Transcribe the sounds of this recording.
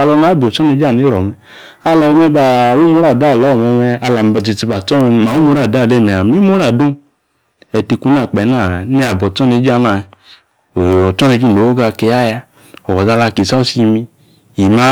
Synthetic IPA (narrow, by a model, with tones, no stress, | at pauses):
a˧lɔ˧na˨˦bi˨o˨t͡ʃɔ˦ne˧˦d͡ʒa˦˨ni˨˦lɔ˨mɛ˨ | a˧lɔ˧˨˧mɛ˧ba˧˨wu˦mo˦ɾa˨da˦˨lɔ˨˦˨mɔ˧mɛ˧a˧la˨m˧bti˧ti˧ba˨t͡ʃɔ˦˧˨ma˨˦o˦mo˨˦ɾa˦˨da˦˨le˦˨mɛ˨a˨mi˦mo˦ɾa˦˨do˦ | ɛ˧˨ti˧ku˧˦n˦a˨k͡pɛ˨˦na˦˨ne˦a˨bɔ˨t͡ʃɔ˦ne˧˦d͡ʒa˦˨˦na˧˨ | ɔ˨t͡ʃɔ˦ne˧d͡ʒu˦˨o˨wo˦ɡa˧˨ke˧ja˦ja˧ | ɔ˨wɔ˨da˧la˧˨ke˨sa˦o˦si˧mi˧ | i˨ma˦